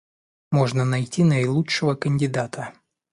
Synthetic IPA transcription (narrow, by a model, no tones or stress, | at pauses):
mo̞ʐnənɐjtʲinəɪlˠuɨvəkənʲdʲɪd̪at̪ʰə